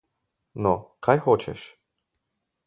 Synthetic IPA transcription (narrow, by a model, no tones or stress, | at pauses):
nɔkʰajxɔt͡ʃɛ̰ʃ